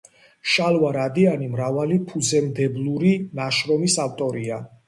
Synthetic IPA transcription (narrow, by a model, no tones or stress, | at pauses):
ʃalwaɾad̪ianimɾavalipʰuzɛmd̪ɛblˠuɾinaʃɾɔmisaft̪ʼɔɾia